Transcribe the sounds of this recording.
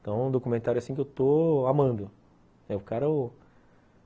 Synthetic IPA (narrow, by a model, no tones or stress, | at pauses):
t̪ɐ̃w̃ũd̪okumẽnt̪aɾjʊasĩkewt̪oamɐ̃nd̪ʊ | ɛʊkaɾɐ